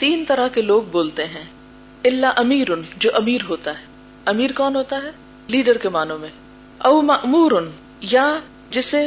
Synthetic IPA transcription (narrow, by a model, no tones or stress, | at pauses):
t̪iːnt̪ɐɾaɦkeloːɡ̚boːlt̪eɦɛ̃ː | ɪlːaʔɐmiːɾʊnd͡ʒoːʔɐmiːɾɦoːt̪aɦɛː | ɐmiːɾkɔːnɦoːt̪aɦɛː | liːɖəɾkemaːnõmẽ | ɐʊmɐʔmuːɾʊn | ja | d͡ʒɪse